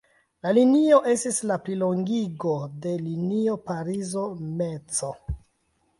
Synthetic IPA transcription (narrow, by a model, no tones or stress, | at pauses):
lalinio̞ʔe̞stislaplilo̞ŋɡiɡo̞de̞linio̞paɾizome̞t͡so̞